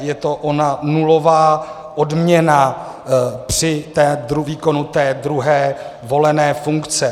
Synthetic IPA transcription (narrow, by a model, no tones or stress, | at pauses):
jɛt̪o̞ʔo̞nanulo̞vaː | ʔodmɲɛna | pr̥ɪt̪ɛːd̪ɾuviːko̞nut̪ɛːd̪ɾuɦɛːvo̞lɛnɛːfuŋkt͡sɛ